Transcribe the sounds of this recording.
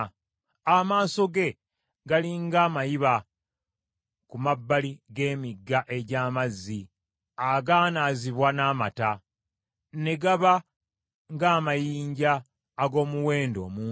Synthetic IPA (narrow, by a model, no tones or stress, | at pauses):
amaːso̞ɡe̞ | ɡaliŋɡaːmajiβa | kumabːaliɡe̞ːmiɡːaʔe̞ɟaːmazːi | aɡaːnaːziβwanaːma̰ta | ne̞ɡaβa | ŋɡaːmajiːɲɟaː | ɡo̞ːmuwe̞ːndo̞̰ːmuː